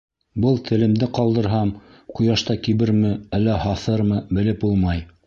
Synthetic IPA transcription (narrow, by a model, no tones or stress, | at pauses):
bɤlˠt̪ʰɘ̆lɘ̆md̪ɘqɑlˠd̪ɤ̆ɾɦɑm | qŏjɑʃt̪ɑkiβɘɾmɘælːæhɑθɤɾmɤbɘ̆lɘpulˠmɑj